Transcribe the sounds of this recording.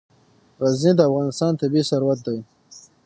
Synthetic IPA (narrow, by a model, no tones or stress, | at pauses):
ɣaznid̪əafɣɑnɪst̪ɑnt̪abisaɾwat̪̚d̪ai